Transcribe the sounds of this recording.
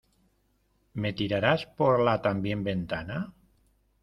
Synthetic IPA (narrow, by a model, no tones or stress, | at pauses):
met̪iɾaɾaspoɾlat̪ambjembent̪ana